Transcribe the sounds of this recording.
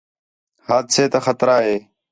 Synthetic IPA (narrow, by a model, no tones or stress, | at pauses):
haːd̪seːt̪axət̪ɾaːɦeː